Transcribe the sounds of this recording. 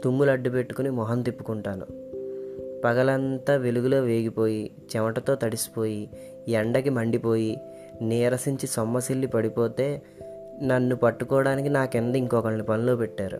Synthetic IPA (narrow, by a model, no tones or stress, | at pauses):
t̪umːulɐɖːupe̞ʈːu̥kunimɔɦɐnt̪ipːu̥kuɳʈaːnṵ | pɐɡɐlɐnt̪aːʋeluɡulo̞ːʋe̞ːɡipo̞ːji | t͡ʃɛmɐʈɐt̪o̞ːt̪ɐɽisi̥po̞ːji | ɛɳɖɐkimɐɳɖipo̞ːji | niːɾɐsiɲt͡ʃisɔmːɐsilːipɐɽipo̞ːt̪e̞ː | nɐnːupɐʈːukɔːɽaːnikinaːkend̪ɐiŋkɔːkɐɭnipɐnilo̞ːpɛʈːaːɾṵ